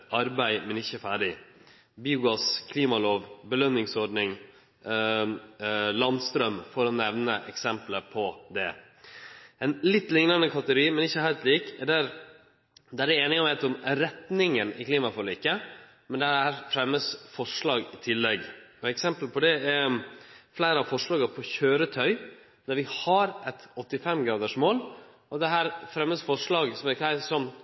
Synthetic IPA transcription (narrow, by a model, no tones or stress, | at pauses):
ɑɾbæɪmɛnɪçːəɛfæːɖɪ | biːʊɡɑskʰliːmɑloːʋbəlœnːɪŋsɔɖnɪŋ | lɑnst̪ɾœmfɔɾɔnɛʋnəʔɛksɛmpləpʰɔd̪ɛ | ɛnlɪt̪ːlɪŋnɑnəkʰɑt̪əɛɡʊɾiːmɛnɪçːəhæɪlt̪liːkɛd̪æɾ | d̪æɾɛeːnɪŋɑnʋeɪt̪ʊmɾɛt̪nɪŋənɪ̰kliːmɑfɔlɪkːə | mɛnd̪ɛæːɾfɾɛmːəsfɔʂɭɑːɡɪt̪ʰɪlːɛɡɔɛksɛmpəlpʰɔd̪ɛɛ | flæɪɾəɑfɔʂɭɑːɡəpʰɔçøːɾət̪ʰœʏ | d̪æɾʋɪhɑɾʔɛt̪ɔt̪ːɪfɛmːɡɾɑːd̪əʂmoːl | ɔd̪ɛɦæːɾfɾɛmːəsfɔʂlɑːɡsɔmɛɾkʰæɪsɔm